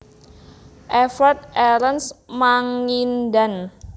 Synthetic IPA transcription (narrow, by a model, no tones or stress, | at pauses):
ʔɛfərt̪̚ɛlənsmaŋindan